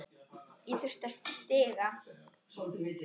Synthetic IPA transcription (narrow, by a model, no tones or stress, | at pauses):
iθʏr̥t̪ast̪st̪ɪːɣa | ɔt̪